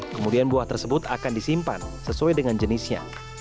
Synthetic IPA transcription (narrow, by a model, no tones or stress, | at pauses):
kəmudianbuaht̪ərsəbʊt̪akandisimpa̰nsəsuadəŋand͡ʒənisɲa̰